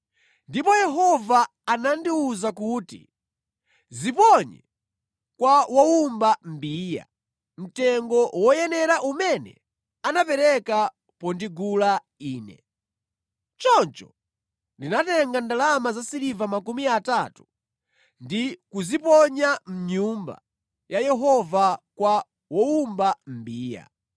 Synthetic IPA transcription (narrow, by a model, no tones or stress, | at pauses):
ndipɔjɛɦɔvaː | nandiuzakuːti | zipɔɲɛ̰ | kwawaumbambiːja̰ | m̩tɛŋɡɔwɔjɛnɛɾaʔumɛnɛ̰ | anapɛɾɛka | pɔndiɡula | iːnɛ̰ | t͡ʃɔnt͡ʃɔ | ndinatɛŋɡandalamazasiɾivamakumiatatu | ndikuzipɔɲam̩ɲumba̰ | jajɛɦɔvakwa | wɔumbam̩biːja̰